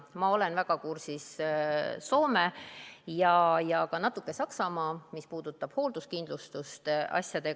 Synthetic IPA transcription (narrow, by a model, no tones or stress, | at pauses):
mɑo̞lenvæɡ̥ɑkursis | so̞ːme̞jɑjɑkɑnɑt̪ːˑukːˑe̞sɑksɑmɑːmispuːd̪̥ut̪ːˑɑb̥ho̞ːld̪̥uskind̪lust̪ust̪ʔɑ̰sjɑd̪̥e̞